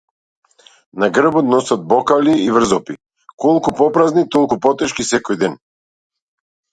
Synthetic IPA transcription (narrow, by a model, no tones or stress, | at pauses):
naɡr̩bɔt̪nɔsat̪̚bɔkaliiːvr̩zɔpi | kɔlˠkupɔpɾaznit̪ɔlˠkupɔt̪ɛʃkisɛkɔjd̪ɛn